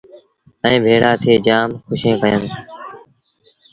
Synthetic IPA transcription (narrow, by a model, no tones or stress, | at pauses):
ɛ̃ːbʱeːɽaːt̪ʰeːd͡ʒaːmxʊʃẽːkəjən